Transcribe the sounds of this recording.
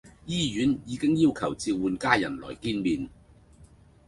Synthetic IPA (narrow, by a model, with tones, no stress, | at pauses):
jiː˥jyː˨˥njiː˨˧kɪ˥ŋjiː˥wkʰɐ˨˩wt͡siː˧wuː˨nkaː˥jɐ˨˩nlɔ̰ː˨˩jkiː˥nmiː˨n